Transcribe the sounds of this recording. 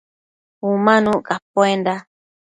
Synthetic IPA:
umãnũkapoenda

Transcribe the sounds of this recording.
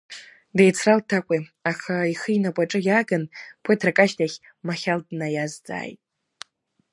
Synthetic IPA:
dejt͡sʰraltʰakʷʼiaχaiχɨinakʷʼaʈ͡ʂʼɨjaɡanpʷʰatʰrakʼaʃtʰaχʲ | maχʲaldnajazd͡za̰ːjtʼ

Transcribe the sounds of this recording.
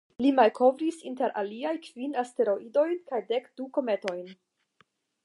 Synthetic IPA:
limalkʰo̞vɾisinte̞ɾʔa̰liajkv̥inaste̞ɾo̞ido̞jnkajdekd̥uko̞me̞to̞jn

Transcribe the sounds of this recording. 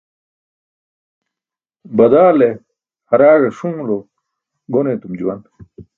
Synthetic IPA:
bɐd̪aːle | hɐɾaːʐeʂũːlo | ɡonet̪umd͡ʑuwɐn

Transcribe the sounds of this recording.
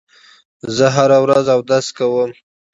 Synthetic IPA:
zəɦaɾawɾazawd̪askawəm

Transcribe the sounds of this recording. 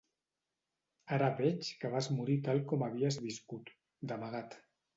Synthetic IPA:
aɾaβɛt͡ʃkəβ̞azmuɾit̪alˠkɔmaβ̞iəzβiskut̪ | d̪əmaɣ̞at̪

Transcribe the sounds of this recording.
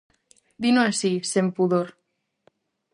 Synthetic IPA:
d̪inoasisempuðoɾ

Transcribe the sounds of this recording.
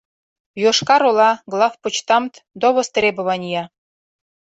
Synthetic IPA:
joʃkɑɾolɑɡlˠɑfput͡ɕt̪ɑmt̪d̪oβost̪rʲebɘ̆βɑnʲijɑ

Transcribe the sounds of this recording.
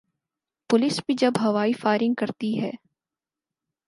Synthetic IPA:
pʊlɪsbʱid͡ʒɐbɦɐʋaːifaːɪɾɪ̃ŋɡ̚kɐɾt̪iɦɛː

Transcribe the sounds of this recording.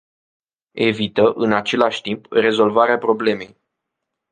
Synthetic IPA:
e̞vit̪əʔɨnat͡ʃe̞laʃʲt̪impre̞zo̞lvaɾeapɾo̞ble̞me̞j

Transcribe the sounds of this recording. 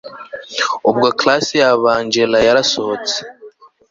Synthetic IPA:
ubɡaklasijaβaːɲd͡ʒelajaɾasohot͡se̥

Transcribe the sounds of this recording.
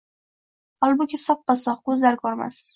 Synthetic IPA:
ɒlˠbʊkʲʰɪsɒp̚qɑsɒqkʰɵzlaɾkʰɒɾma̰s

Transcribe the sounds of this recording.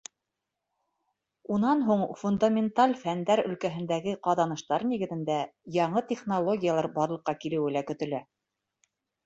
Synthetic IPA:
unɑnɦuɴfund̪amʲɪnt̪alʲfænd̪æɾɵ̆lkæɦɘ̆nd̪æɡɘqɑðɑnɤ̆ʃt̪ɑɾniɡɘ̆ðɘ̆nd̪æjɑɴɤt̪ʲeχnolˠoɡʲijalˠɑɾbɑɾlˠɤ̆qːɑkilɘ̆wɘ̆lækɵ̆t̪ɵ̆læ

